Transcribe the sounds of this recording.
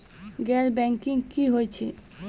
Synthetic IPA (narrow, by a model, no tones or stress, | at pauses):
ɡɛɾbɛŋkiŋkiɦojt͡ɕʰe